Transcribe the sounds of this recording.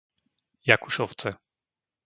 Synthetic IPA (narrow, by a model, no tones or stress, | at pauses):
jakuʃɔw̪t͡sɛ